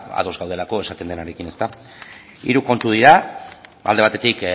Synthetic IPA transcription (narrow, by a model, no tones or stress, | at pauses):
a̰ðo̞zɣawðe̞lako̞e̞sat̪e̞nd̪e̞naɾekine̞st̪a | ḭɾuko̞nt̪uð̞iɾa | ald̪e̞at̪e̞t̪ik